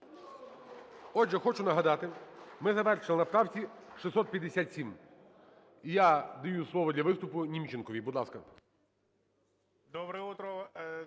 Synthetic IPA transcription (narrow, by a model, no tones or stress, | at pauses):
ɔd͡ʒɛxɔt͡ʃʊnɐɦɐd̪ɑt̪ɪmɪzɐʋɛrʃɪlˠɪnɐpt̪ɑwt͡sʲiʃisɔt̪̚pʲjɐd̪ːesʲat̪ʲsʲim | ijad̪ɐjuslˠɔʋɔd̪lʲɐʋɪst̪ʊpʊnʲimt͡ʃɪnkɔʋʲibud̪lˠɑskɐ | d̪ɔbɾɛut̪ɾɔ